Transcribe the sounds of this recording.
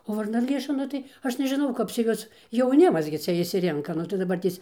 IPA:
oː ʋɐrnɐˈlʲeːʃɐ ˈnʊ tɐɪ ˈɐʃ nʲɛʒʲɪˈnɐʊ ˈkɐp t͡sʲɛ ˈjuɔs jɛʊˈnʲɪmɐs ɡʲɪ ˈt͡sʲɛ ɪʃʲsʲɪˈrʲɪŋkɐ ˈnʊ tɐɪ dɐˈbɐrʲtʲeːs

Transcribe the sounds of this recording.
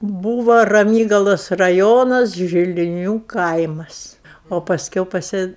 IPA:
ˈbuːʋoː rɐˈmʲiːɡɐlˠoːs rɐˈjoːnɐs ʒʲɪlʲɪˈnʲuː ˈkɐɪmɐs oː pɐsʲˈkʲɛʊ pɐˈsʲɪ

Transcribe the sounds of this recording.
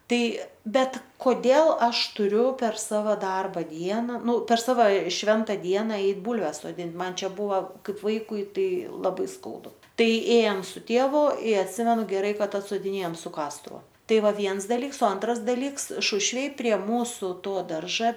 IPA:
ˈtɐɪ ˈbʲɛt koːˈdʲeːlˠ ˈɐʃ tʊˈrʲʊ pʲɛr ˈsɑːʋɐ ˈdɐrbɐ ˈdʲiɛnɐ ˈnʊ pʲɛr ˈsɑːʋɐ ˈʃʲʋʲɛntɐ ˈdʲiɛnɐ ˈɛɪt ˈbuːlʲʋʲɛs soːˈdʲɪnt ˈmɐn ˈt͡ʃʲɛ ˈbuːʋɐ ˈkɐɪp ˈʋɐɪkʊɪ ˈtɐɪ lˠɐˈbɐɪ ˈskɐʊdʊ ˈtɐɪ ˈeːjɛm sʊ ˈtʲeːʋʊ ɪ ɐtʲˈsʲɪmʲɛnʊ ɡʲɛˈrɐɪ ˈkɐt ɐtsoːdʲɪˈnʲeːjɛm sʊ ˈkɑːstʊʋʊ ˈtɐɪ ˈʋɐ ˈʋʲiɛns dɐˈlʲiːks oː ˈɐntrɐs dɐˈlʲiːks ˈʃʊʃʲʋʲeːj pʲrʲiɛ ˈmuːsʊ ˈtoː ˈdɐrʒɐ

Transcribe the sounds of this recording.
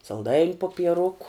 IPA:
sɐlˠˈdɐɪnʲ poːpʲiɛˈrʊkʊ

